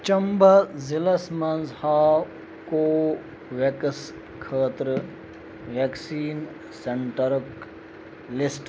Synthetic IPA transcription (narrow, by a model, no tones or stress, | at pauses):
t͡ʃɐmbɐzilɐsmɐnzhaː | koː | ʋeks | kʰəːt̪ɾ | ʋeksiːn | seɳʈɐɾk | lɪsʈ